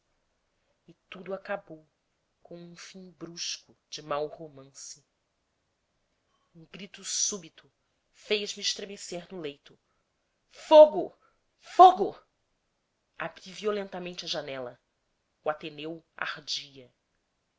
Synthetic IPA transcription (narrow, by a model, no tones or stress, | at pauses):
ɪt̪ud̪ʊakabow | kõw̃ũfĩŋbɾuʃkʊd͡ʒɪmawhomɐ̃sɪ | ũɡɾit̪ʊsubit̪ʊ | fejzmɪiɪʃt̪ɾemeseɾnʊlejt̪ʊ | foɡʊ | foɡʊ | abɾiviolẽnt̪ɐmẽnt͡ʃɐʒanɛlɐ | ʊat̪enewa̰ɾd͡ʒiɐ